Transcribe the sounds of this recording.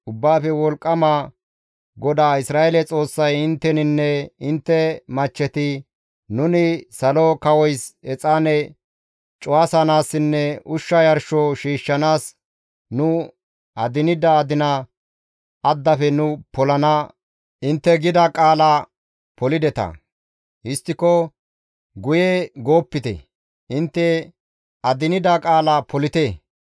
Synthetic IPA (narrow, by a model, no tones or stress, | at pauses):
ʊbːaːfɛwɔlkʼːɐmɐ | ɡɔd̪aːɪsɾaːelɛt͡sʼo̞ːsːɐjɪnt̪ːɛnɪnːɛɪnt̪ːɛmɐt͡ʃːɛt̪ɪ | nʊnɪsɐlokɐwɔjsɛt͡sʼaːnɛ | t͡ʃʼʊasɐnaːsːɪnːɛʔʊʃːɐjɐɾʃɔʃiːʃːɐnaːs | nʊ | ɐd̪ɪnɪd̪ɐːd̪ɪnɐ | ɐd̪ːɐfɛnʊpɔlɐnɐ | ʔɪnt̪ːɛɡɪd̪ɐkʼaːlɐ | pɔlɪd̪ɛt̪ɐ̰ | hɪst̪ːɪkɔ | ɡʊjeɡo̞ːpːɪt̪ɛ̰ | ʔɪnt̪ːɛ | ɐd̪ɪnɪd̪ɐkʼaːlɐpʰɔlɪt̪e